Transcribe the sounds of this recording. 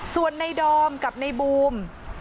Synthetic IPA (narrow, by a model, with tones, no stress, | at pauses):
su˨˩ənːa˧jdɔː˧mka˨˩p̚na˧jbuː˧m